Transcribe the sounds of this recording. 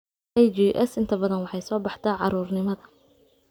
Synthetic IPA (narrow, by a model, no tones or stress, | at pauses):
ʔɛjd͡ʒiːʔɛsɪnt̪ʰɐbɐðɐnwɑħɑjsɔːbɑħt̪ʰɐːʕɑɾuːrnɪmɐðɐ